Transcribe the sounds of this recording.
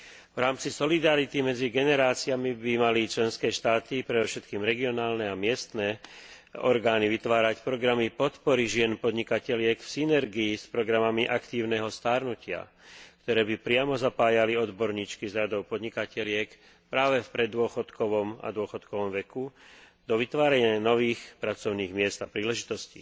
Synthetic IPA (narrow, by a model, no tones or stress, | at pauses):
vɾaːmt͡sisɔlid̪aɾit̪imɛd͡ziɡɛnɛɾaːt͡siamibimalit͡ʃlɛnskɛːʃt̪aːt̪ipɾɛd̪ɔfʃɛt̪kiːmɾɛɡiɔnaːlnɛamɪɛst̪nɛ | ɔ̰ɾɡaːniʋit̪ʋaːɾacpɾɔɡɾamipɔt̪pɔɾiʒɪɛnpɔd̪ɲikacɛʎɪɛkfsinɛɾɡiːspɾɔɡɾamamiʔakt̪iːʊnɛɦɔst̪aːɾnucɪa̰ | kt̪ɔɾɛːbipɾɪamɔzapaːjaliɔd̪bɔɾɲiːt͡ʃkizɾad̪ɔʊpɔd̪ɲikacɛʎɪɛk | pɾaːʋɛfpɾɛd̪ːʊɔxɔt̪kɔʋɔma̰d̪ʊɔxɔt̪kɔʋɔmʋɛku | d̪ɔʋit̪ʋaːɾaɲɪanɔʋiːxpɾat͡sɔʊniːɣmɪɛzd̪apɾiːlɛʒit̪ɔscḭː